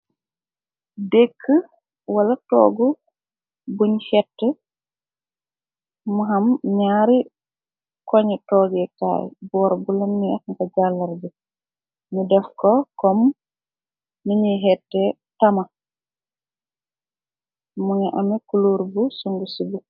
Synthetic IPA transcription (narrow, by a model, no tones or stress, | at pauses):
dekʰːə | walɐtɔ̰ːɡu | buɲhɛtːɛ | muɦɐmɲaːɾi | kɔɲɛtɔːɡɛka̰ːjbɔːɾbulɐnːiɐkŋɡɐɟalːɐɾbu | mudɛfkɔkɔm | iɲiɦɛtːɛ | tɐmɐ | muŋɛʔɐmɛkuloːɾbusɔŋɡusibu